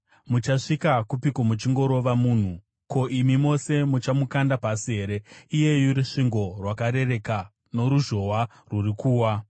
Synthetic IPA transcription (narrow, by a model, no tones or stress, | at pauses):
mut͡ʃaʂikakupikomut͡ʃiŋɡo̞ɾo̞ʋamuːn̤u | ko̞ʔimimo̞se̞mut͡ʃamukandapasiɦe̞ːɾe̞ije̞juɾiʂiŋɡo̞rwakaɾe̞re̞ka | no̞ɾuʒo̞wa | rurikuːwa